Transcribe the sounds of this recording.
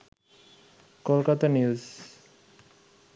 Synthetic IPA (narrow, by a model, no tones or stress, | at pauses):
kolkat̪anjiuz